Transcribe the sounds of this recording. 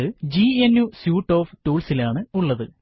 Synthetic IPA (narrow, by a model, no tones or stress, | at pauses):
ɨd͡ʑienjusjuːʈːo̞ːftuːɭsilaːɳɨuɭːɐðɨ